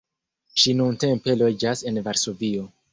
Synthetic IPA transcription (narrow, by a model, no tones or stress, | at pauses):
ʃinunte̞mpe̞lo̞d͡ʒase̞nvaɾso̞vio̞